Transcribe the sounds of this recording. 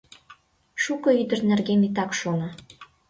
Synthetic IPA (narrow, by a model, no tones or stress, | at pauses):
ʃukɤ̆yd̪ə̆rnerɣemit̪ɑkʃonɑ